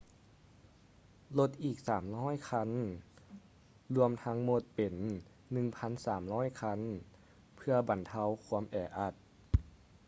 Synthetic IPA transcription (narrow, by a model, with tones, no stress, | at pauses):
lo˧˩t̪̚ʔiː˨˩k̚saː˩˦mlɔː˥˨jkʰa˧˥n | lu˧əmt̪ʰa˧˥ŋmo˧˩t̪̚pe˨˩nː | ɯ˨˩ŋpʰa˧˥nsaː˩˦mlɔː˥˩˨jkʰa˧˥n | pʰɯ˧ɐba˨˩nt̪ʰa˧˥˨wkʰu˧˥əmʔɛː˨˧˩ʔa˧˩t̪̚